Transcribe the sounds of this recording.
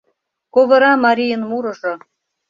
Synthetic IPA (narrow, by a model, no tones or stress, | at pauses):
koβɤ̆ɾɑmɑɾʲijənmuɾɤ̆ʒŏ